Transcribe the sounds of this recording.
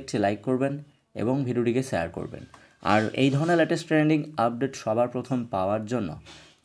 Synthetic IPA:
k̚ʈʰilajkːoɾben | ḛboŋbʱiɾuɖikeʃea̰ɾko̰ɾbḛn | a̰ɾḛjd̪ʱɔɾoneleʈesʈɾeɳɖiŋap̚ɖeʈʃɔbaɾpɾot̪ʰompaoaɾd͡ʑonːo̰

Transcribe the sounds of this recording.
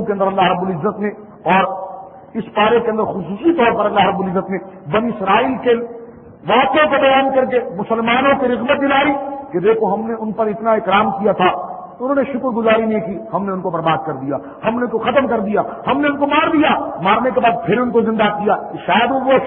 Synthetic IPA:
keɐnd̪əɾɐlːaɦɾɐbːʊlɪzːət̪ne | ɔːɾ | ɪspaːɾekeɐ̃nd̪əɾxʊsuːsit̪ɔːɾpɐɾɐlːaɦɾɐbːʊlɪzːət̪ne | bɐniɪsɾaːiːlke | ʋaːkõkobɐjaːnkɐɾk̬emʊsəlmaːnõkiɾɪɣbət̪̚ɪlaːiked̪eːkʰoɦɐmneʊnpɐɾɪt̪naekɾaːmkijat̪ʰaː | ʊnɦõːneʃʊkɾɡʊzaːɾinɐĩkihɐmneʊnkobɐɾbaːd̪̚kɐɾd̪ija | hɐmnekoxɐt̪əmkɐɾd̪ijahɐmneʊnkomaːɾd̪ijamaːɾnekebaːd̪̚pʰɪɾʊnkozɪ̃nd̪akijakʃaːjəd̪oʋo

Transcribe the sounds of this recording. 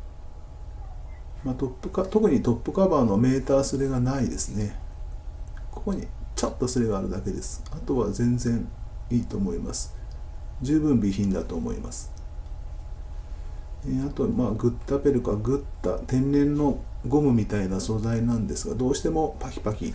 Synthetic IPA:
maːt̪o̞pːɯ̟kat̪o̞kɯ̟ɲ̟it̪o̞pːɯ̟kabaːno̞me̞ːt̪aːsɨɾe̞ɡanaid̪e̞sɨne̞ | kʰo̞ko̞ɲ̟it͡ɕot̪ːo̞sɨɾe̞ɡaːɾɯ̟d̪ake̞d̪e̞sɨ̥at̪o̞βazẽ̞nzẽ̞ɰiːt̪o̞ːmo̞ima̰sɨ̥d͡ʑɨːbɯ̟̃mbʲiçĩnd̪at̪o̞ːmo̞̰ḭma̰sɨ̥ | eat̪o̞maːɡɯ̟t̪ːape̞ɾɯ̟kaɡɯ̟t̪ːa̰t̪ẽ̞nːẽ̞nːo̞ɡo̞mɯ̟mʲit̪ainaso̞ːzainãnd̪e̞sɨɡad̪o̞ːɕi̥t̪e̞mo̞pakʲi̥pakʲḭ

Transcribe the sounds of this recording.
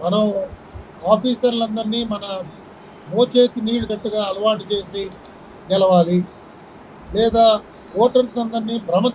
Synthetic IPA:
mɐnɐm | aːpʰiːsɐɾlɐnd̪ɐɾiniːmɐnɐ | moːt͡ʃeːt̪iniːɽud̪ɐʈːuɡaːɐlɐʋaːʈt͡ʃe̞ːsi | ɡ̪ɛlɐʋaːli | lɛːd̪aː | ʋoːʈɐɾslɐnd̪ɐɾiniːpɾɐmɐ

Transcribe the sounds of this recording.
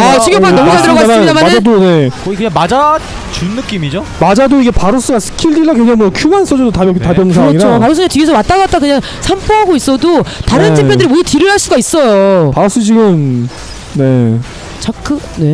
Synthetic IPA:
at͡ɕʰiɡjʌpːannɔmuadɯɾʌɡaaaiamaad͡ʑadone̞kʌɡikɯɲaŋmad͡ʑa | t͡ɕunːɯk͈imid͡ʑo | mad͡ʑadoiɡe̞paɾos͈ɯɡasʰɯ̥kʰilːilːakweɲʌŋmuʌkʰjumans͈ʌd͡ʑodotapjʌpkʰetapjʌnɯnsʰaɾaɯŋiɾt͡ɕaopaɾos̬͈ɯɡat͡ɕiɡesʰʌwat͈aɡat͈̚akɯɲaŋ | sʰampʰoɦaɡois͈ʌdotaɾɯnʰepʰondɯɾimodutiɾɯɭɦaɭs͈uɡais͈ʌjopaɾos͈ɯd͡ʑiɡɯm | ne̞ | t͡ɕʰak͈ʰɯ | ne̞

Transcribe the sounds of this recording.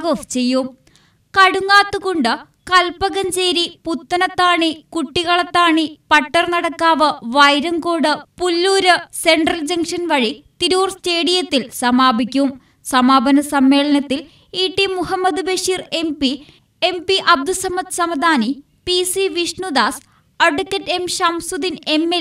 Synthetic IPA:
ɣoːft͡ɕe̞jːuːm | kɐɽuŋːaːt̪ːuɣoɳɖɨ | kɐlpɐɣɐmt͡ɕeːɾiput̪ːɐnɐt̪ːaːɳikuʈːiɣɐɭɐt̪ːaːɳipɐʈːɐrnɐɽɐkːaːʋɨʋɐjɾɐmkoːɽɨpulːuːɾɨse̞ɳɖrɐld͡ʑɐŋʂɐnʋɐɻit̪iɾuːrsteːɽijɐt̪ːilsɐmaːbikʲːuum | sɐmaːbɐnɐsɐmːe̞ːɭɐnɐt̪ːil | iːʈːimuhɐmːɐd̪ɨbɐʂiːre̞mpi | e̞mpiʔɐb̚d̪usɐmːɐd̪sɐmɐd̪aːni | pisiʋiʂɳud̪aːs | ɐɖukːɐte̞mɕɐmsud̪ine̞mːel

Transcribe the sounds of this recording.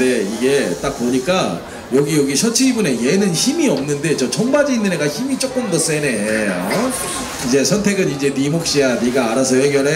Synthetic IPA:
de̞iɡe̞t͈ak̚poɲik͈a | jʌɡijʌɡiɕʰʌt͡ɕʰibune̞je̞nɯnçimiʌmnɯnde̞t͡ɕʌt͡ɕʰʌŋbad͡ʑiinːɯneɡaçimit͡ɕ͈ok͈ɯmdʌs͈e̞ne̞jo | id͡ʑe̞sʰʌntʰe̞ɡɯnid͡ʑe̞nimok̚ɕ͈ijaniɡaːɾasʰʌheɡjʌɾe

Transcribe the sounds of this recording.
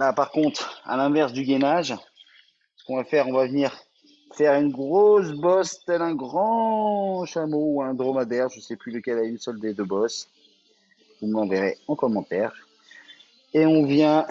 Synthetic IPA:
lapaʁkɔ̃t̪χa̰lɛ̃vɛʁsd̪yɡʲenaʒ | sə̥kɔ̃vafɛʁɔ̃vavəniʁ | fɛʁynɡʁosbɔst̪ɛlɛ̃ɡʁɑ̃ | ʃamouɛ̃d̪ʁɔmad̪ɛʁʒəsɛplyləkʲɛlaynsɔld̪ed̪əbɔs | vuməlɑ̃veʁeɑ̃kɔmɑ̃t̪ɛʁ | eɔ̃vjɛ̃

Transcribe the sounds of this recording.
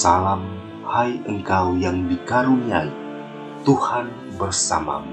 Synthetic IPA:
salam | hajʔəŋkawjaŋdikaɾuniai | t̪uhan | bərsa̰ma̰

